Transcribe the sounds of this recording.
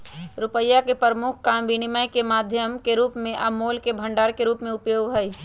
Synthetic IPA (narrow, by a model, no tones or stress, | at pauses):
ɾʊpəjːakepəɾəmʊkʰkambinimajkemaːd̪ʱjəmkeɾuːpmẽʔɐmoːlkebʱə̃ɳɖaːɾkeɾuːpmẽʊpjoːɡɦəj